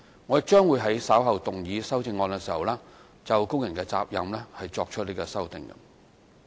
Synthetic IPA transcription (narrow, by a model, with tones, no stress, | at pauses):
ŋɔː˨˧˨t͡ʃœː˥ŋwuː˨˧jɦɐ˨˥jsaː˨˥wɦɐ˨wt̪ʊ˨ŋjiː˨˧sɐ˥wt͡sɪ˧ŋːɔː˧nkɛː˧siː˨˩hɐ˨˩wlɛː˥ | t͡sɐ˨wkʊ˥ŋjɐ˨˩nkɛː˧t͡sa̰ː˧p̚jɐ̰˨mlɛː˥hɐ˨jt͡ʃɔː˧k̚t͡ʃʰɵ˥t̚li˥kɛː˧sɐ˥wt̪ɪ̰˨ŋkɐ̰˧